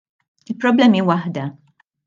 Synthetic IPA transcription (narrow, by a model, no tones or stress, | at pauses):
ɪlpɾɔblɛːmiwɐħd̪ɐ